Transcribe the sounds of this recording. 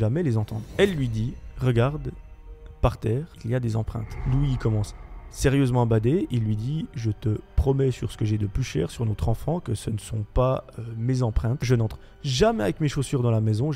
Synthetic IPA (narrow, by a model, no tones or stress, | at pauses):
ʒamɛlezɑ̃t̪ɑ̃d̪ʁɛlːɥid̪iʁəɡaʁd̪ | paʁt̪ɛːʁiljad̪ezɑ̃pχɛ̰̃t̪luikɔmɑ̃sːeʁjøzmɑ̃bad̪eilːɥid̪iʒət̪əpχɔmɛsyʁsə̥kəʒɛd̪əplyʃɛ̰ːʁsyʁnɔt̪χɑ̃fɑ̃kəsənəsɔ̰̃paømezɑ̃pχɛ̃t̪ʒənɑ̃t̪χ | ʒamɛavɛkmeʃosyʁd̪ɑ̃lamɛzɔ̃